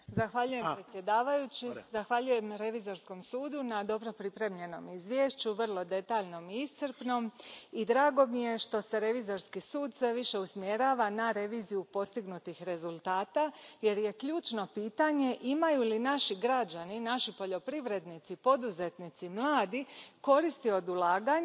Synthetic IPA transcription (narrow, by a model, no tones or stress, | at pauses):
zaxʋaʎuje̞pɾet̪sje̞d̪aːʋajut͡ɕizaxʋaʎuje̞mɾe̞ʋizo̞ɾsko̞msuːd̪unad̪o̞bɾo̞pɾipɾe̞mʎe̞no̞̰mizʋje̞ʃt͡ɕuʋr̩lˠo̞d̪e̞t̪aːʎno̞miist̪səɾpno̞mid̪ɾaːɡo̞mije̞ʃt̪o̞se̞ɾe̞ʋizo̞ɾskisuːd̪sʋe̞ʋiʃe̞usmje̞ɾaːʋanaɾe̞ʋiːzijupo̞st̪iɡnut̪ixɾe̞zulˠt̪aːt̪aje̞ɾje̞kʎuːt͡ʃno̞piːt̪aɲe̞ʔimajulinaʃiɡɾad͡ʒaninaʃipo̞ʎo̞pɾiʋɾe̞d̪nit̪sipo̞d̪uze̞t̪nit̪simlˠaːd̪iko̞ɾist̪io̞d̪ulˠaːɡaɲ